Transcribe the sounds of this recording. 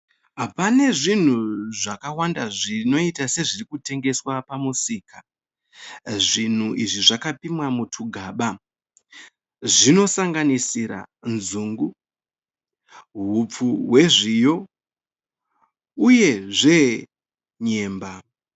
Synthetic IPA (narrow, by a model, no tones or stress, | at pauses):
apane̞ʐin̤uʐakawandaʐino̞itase̞ʐirikute̞ŋɡe̞swapamusiːka | ʐin̤uʔiʐiʐakapimwamutʰuɡʱaɓa | ʐino̞saŋɡanisiɾa̰nzuːŋɡu | ɦup͡fuɦwe̞ʐijo̞ | uje̞ʐe̞ | ɲe̞ːmba